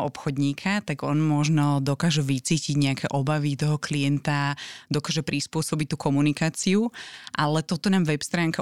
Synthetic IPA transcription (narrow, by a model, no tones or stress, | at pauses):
ʔɔpxɔd̪ɲiːkʰat̪aɡɔnmɔʒnɔd̪ɔkaːʒɛʋit͡siːciɟɲɛakʰɛʔɔbaʋit̪ɔɦɔkliɛnt̪ad̪ɔkaːʒɛpɾispʊɔsɔbic̚t̪ːuːkʰɔmunikaːt͡siuʔalɛt̪ɔt̪ɔnaːmʋɛpst̪ɾaːŋka